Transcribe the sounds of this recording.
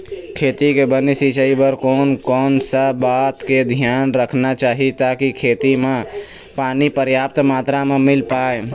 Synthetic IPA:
kʰeːt̪ikebənesit͡ʃəibəɾkoːnkɔːnsəbat̪ked̪ʱijaːnɾəkʰnat͡ʃaːɦit̪akikʰeːt̪imẽ | paːnipəɾjap̚t̪mat̪ɾamemɪlpaːe

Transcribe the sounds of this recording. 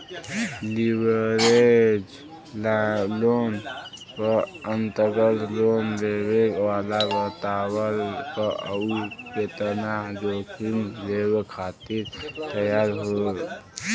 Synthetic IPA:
libəɾed͡ʒ | llonpəənt̪əɡəllonleβekʋalabət̪awəɾkəəupet̪ənad͡ʒokʰunleβekʰat̪iɾt̪əjaɾɦo

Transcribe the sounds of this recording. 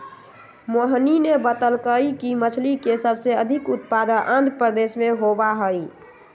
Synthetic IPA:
moɦninebət̪əlkəikimət͡ʃʰlikesəbseəd̪ʱikut̪̚pad̪əʔand̪pɾəd̪esmeɦobaɦəj

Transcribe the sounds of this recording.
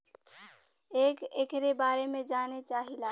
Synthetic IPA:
ekekɾebaɾemẽd͡ʒanet͡ʃaɦila

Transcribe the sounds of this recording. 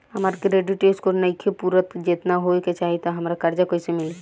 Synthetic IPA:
hɐmaːɾkɾeːɖiʈeːskonɐɪkʰepuːɾət̪d͡ʒet̪naɦoiket͡ʃaːɦit̪oɦɐmɾakɐɾd͡ʒakoːisemɪleː

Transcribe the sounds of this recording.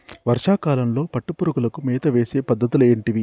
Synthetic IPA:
ʋɐɾʂaːkaːlɐmlo̞ːpɐʈːupuɾuɡulɐkumɛːt̪ɐʋe̞ːseːpɐd̪ʱːɐt̪uleːɳʈiʋi

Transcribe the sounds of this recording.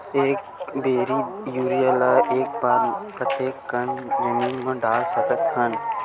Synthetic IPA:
eːk | beːɾijuːɾijəlaʔeːk̚baːɾpɾət̪eːkːənd͡ʒəmiːnmɐ̃ɖaːlsəkət̪hɐn

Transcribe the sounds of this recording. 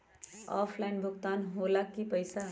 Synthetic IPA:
ɔːpʰlaɪnbʱʊkt̪aːnɦoːlakːipəɪsa

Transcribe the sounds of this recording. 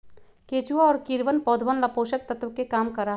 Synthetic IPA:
keːt͡ʃuaɔːɾkiɾʋənpɔːd̪ʱʋənlapoːʃək̚t̪ɐt̪ʋəkekaːmkɐɾaː

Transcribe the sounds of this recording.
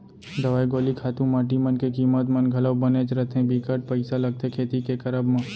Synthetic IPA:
d̪əʋaːjɡoːlikʰaːt̪ũmaːʈ̬imənkekiːmət̪mənɡʱɐləwbənet͡ʃɾət̪ʰẽbiːkəʈ̚pəɪsaləɡ̚t̪ʰekʰeːt̪ikekəɾəbmã

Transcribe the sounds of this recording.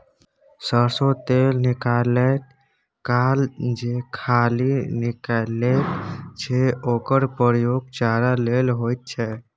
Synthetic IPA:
səɾsot̪elnikalɛt | kald͡ʒekʰalinikalɛt̪t͡ʃʰɛokəɾpəɾjoɡ̚t͡ʃaɾalelɦojt̪̚t͡ʃʰɛ

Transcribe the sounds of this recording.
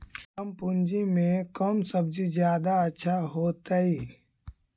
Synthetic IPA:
əmpund͡ʒimẽkəːmsəb̚d͡ʒid͡ʒjaːd̪aətːʃʰaɦoːt̪aiː

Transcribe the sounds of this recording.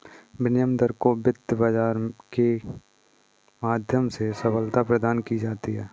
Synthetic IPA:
bɪnjəmd̪əɾkobɪd̪bad͡ʒaːɾke | maːd̪ʱjəmsesəpəlt̪apɾəd̪aːnkid͡ʒaːt̪iɦɛː

